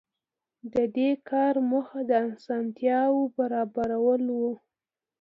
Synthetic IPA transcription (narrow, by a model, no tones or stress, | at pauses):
d̪əd̪ekʰɑɾməxad̪əansɑnt̪jɑwobaɾɑbaɾawəlwu